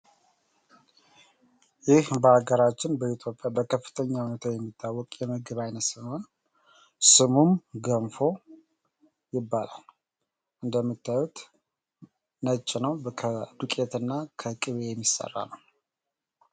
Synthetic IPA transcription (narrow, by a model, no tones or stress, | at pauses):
jɪhbəhaɡəɾat͡ʃːɪnbəit̪ʰjo̞pʼjabəkʰəfːɨ̥t̪ʰəɲːawunət̪ʰawjɛmːit̪ʰːawːɔkʼjɛmɨɡɨβajnət̪sɨmon | sɨmumɡəmfo̞ | jɪbːalal | ʔɨnd̪əmːɨt̪ːajut̪ | nət͡ʃʼːɪnəwʰəd̪ukʼet̪ʰɨnːakʰəkʼɨβejɛmːisə̰rːa̰nəw